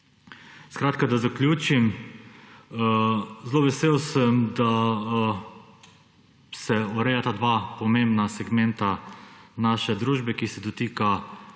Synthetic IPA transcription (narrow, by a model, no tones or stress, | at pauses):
skɾaːt̪̚kad̪azaklʲjuːt͡ʃim | zloːʋɛseːwsəmd̪a | sɛɔɾɛjat̪aːd̪ʋaːpɔmembnasɛɡmɛnt̪anaːʃɛd̪ɾuːʒbɛkisɛd̪ɔt̪iːka